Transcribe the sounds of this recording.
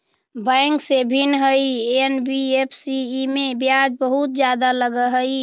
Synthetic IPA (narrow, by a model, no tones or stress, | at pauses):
bãjŋksebʱinɦəienbiepʰsiːmebjad͡ʒbəɦut̪̚d͡ʒjad̪aləɡəɦəi